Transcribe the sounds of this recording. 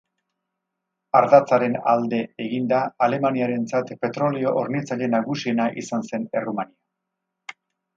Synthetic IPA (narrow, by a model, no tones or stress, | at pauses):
aɾðat͡saɾe̞na̰ld̪e̞eɣind̪aːle̞maniaɾe̞nt͡sat̪pe̞t̪ɾo̞leo̞ʔoɾnit͡saʎe̞naɣusie̞naʔḭsanse̞ne̞rumania